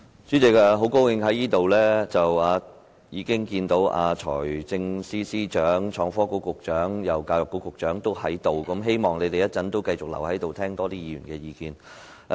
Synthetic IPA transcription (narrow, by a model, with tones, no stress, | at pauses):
t͡ʃy˨˥t͡sɪ˨˩ka˧ɦo˨˥wko˥wkɪ˧ŋɦɐ˨˥jiː˥t̪o˨wlɛː˥t͡sɐ˨waː˨˧ | jiː˨˧kɪ˥ŋkiː˧nt̪o˨˥wʔa̰ː˧t͡ʃʰɔ̰ː˨˩jt͡sɪ˧ŋsiː˥siː˥t͡ʃœː˨˥ŋt͡ʃʰɔː˨˧ŋfɔː˥ko˨˥wkʊ˨˩k̚t͡ʃœː˨˥ŋjɐ˨˩wkaː˧jʊ˨˩kːo˨˥kʊ˨˩k̚t͡ʃœː˨˥ŋt̪o˥whɐ˨˥jt̪o˨wkɐ˨˥mɦe˥jmɔː˨ŋne˨˧t̪e˨jɐ˥t̚t͡sɐ˨˥nt̪o˥wkɐ˧jt͡sʊ˨k̚lɐ̰˨˩whɐ˨˥jt̪o˨wt̪ʰɛː˥ŋt̪ɔː˥t̪iː˥jiː˨˧jyː˨˩nkɛː˧jiː˧kiː˧n